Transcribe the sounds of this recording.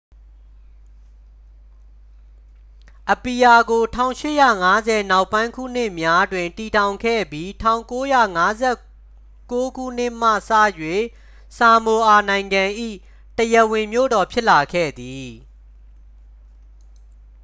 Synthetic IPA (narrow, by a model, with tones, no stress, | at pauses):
ʔəpi˨ja˨ɡo˨tʰã˦˨ʊ̃ʃɪ̰˦˨jä̰˦˨ŋa˦zɛ˨na˦ʊpã˦ɪ̃ŋkʰṵ˦˨n̥ɪ˦ʔmja˦dwɪ̃˨nti˨tʰã˨ʊ̃ŋkʰɛ̰˦˨bji˦tʰã˨ʊ̃ŋko˦ja̰˦˨ŋa˦zɛ˦˨ | ko˦ɡṵ˦˨n̥ɪ˦ʔm̥ä̰˦˨sä̰˦˨jwe˦˨ | sa˨mo˨ʔa˨nã˨ɪ̃ŋɡã˨ʔḭ˦˨ | təjə˨wɪ̃˨mjo̰˦˨dɔ˨pʰjɪ˦ʔla˨kʰɛ̰˦˨d̪i˨